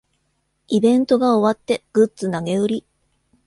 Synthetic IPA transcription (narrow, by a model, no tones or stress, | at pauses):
ibẽ̞nt̪o̞ɡao̞βat̪ːe̞ɡ̥ɯ̟t͡sɨnaɡe̞ɯ̟ɾʲi